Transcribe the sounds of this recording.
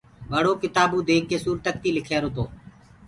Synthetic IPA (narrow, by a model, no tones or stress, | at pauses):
ʋəɽoːkɪt̪aːbũːd̪eːk̚ːeːsuːɾt̪ək̚t̪iːlɪkʰeːɾoːt̪oː